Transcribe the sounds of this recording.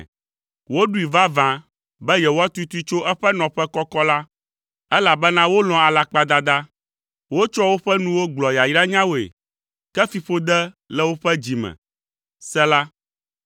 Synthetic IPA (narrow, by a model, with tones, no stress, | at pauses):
wo˦ɖu˦i˨va˦vã˨ | bɛ˦jɛ˨wo˦a˦t̪u˦t̪u˦t͡ʃo˦ʔɛ˦ɸɛ˦nɔ̃˨ɸɛ˦kɔ˦kɔ˦la˦ | ɛ˦la˨bɛ˦nã˦wo˦lɔ̃˨a˨la˨k͡pa˦d̪a˦d̪a˦ | wo˦t͡ʃɔ˦wo˦ɸɛ˦nũ˦wo˦ɡ͡blɔ˨ja˨ji˦ɾa˦ɲã˦wo˨ḛ˨ | kɛ˦fi˨ɸo˦d̪ɛ˦ | lɛ˦wo˦ɸɛ˦d͡ʑi˨mɛ̰̃˨ | sɛ˦la˦